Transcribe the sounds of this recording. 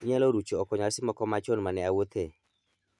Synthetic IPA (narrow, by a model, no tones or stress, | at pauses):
ɲɛlɔɾut͡ʃoːkɔɲwalsɪmɔkɔmat͡ʃɔnmanɛawot̪ʰe